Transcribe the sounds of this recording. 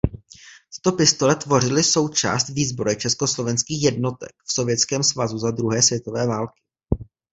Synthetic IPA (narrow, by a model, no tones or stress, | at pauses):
t̪ɪ̥t̪o̞pɪst̪o̞lɛt̪vo̞r̝ɪlɪso̞wt͡ʃa̰ːst̪viːzboɾɛt͡ʃɛsko̞slo̞vɛnskiːxjɛdno̞t̪ɛ̰kfso̞vjɛt̪t͡skɛːmsvazuzad̪ɾuɦɛːsvjɛt̪o̞vɛːvaːlkɪ̥